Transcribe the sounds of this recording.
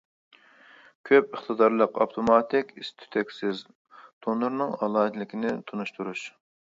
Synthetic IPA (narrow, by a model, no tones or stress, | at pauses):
kʲʰøpəχt̪ɨd̪ɑɾlˠəqɑpt̪ʰomɑt̪ʰɪkʲist̪ʰy̥t̪ʰɛkʲsɪz | d̪̥ʰonuɾnɨŋɑlˠɑːt̪lɪkʲinɪt̪ʰunuʃt̪ʰuɾuʃ